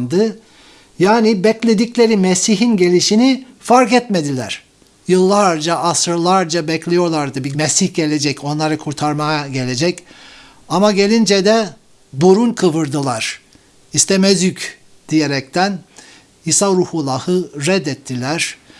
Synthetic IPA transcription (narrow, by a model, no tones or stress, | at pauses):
nd̪ɯ | jaːnibɛclʲe̞d̪iclʲe̞ɾimesiɦinɟe̞lʲiʃini | faɾkɛt̪med̪ilʲæ̰ɾ̥ | jɯlˠːaɾd͡ʒaʔasɯɾlˠaɾd͡ʒabɛclʲijo̞ɾlˠaɾd̪ɯbimɛsiçɟe̞lʲed͡ʒɛco̞nlˠaɾɯkʰuɾt̪ʰaɾmajaɟe̞lʲe̞d͡ʒɛc | amaɟe̞lʲind͡ʒɛd̪ɛ | buɾunkʰɯvɯɾd̪ɯlˠaɾ̥ | ist̪ʰemɛzjyc | d̪̥ijeɾɛc̚t̪ʰæn | isaɾuhulˠːahɯɾɛd̪ːɛt̪ʰːilʲæɾ̥